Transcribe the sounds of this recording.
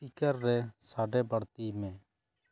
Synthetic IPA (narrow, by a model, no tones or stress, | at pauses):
pikəɾːɛsaːɖɛbəɽt̪imɛ̃ː